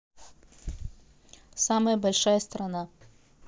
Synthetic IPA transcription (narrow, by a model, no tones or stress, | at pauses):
saməjəbɐlʲʂajəst̪ɾɐna